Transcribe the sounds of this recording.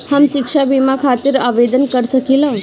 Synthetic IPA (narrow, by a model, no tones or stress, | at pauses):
hamʃikʂabimãkʰat̪iɾaʋed̪ənkəɾʃəkilə